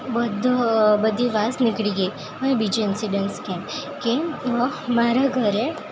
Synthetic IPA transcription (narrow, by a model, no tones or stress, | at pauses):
bəd̪ʱbəd̪ʱiʋasnɪkɭiɡəj | ɦənebid͡ʒuɪnsiɖənskẽkĩ | maɾaɡʱəɾe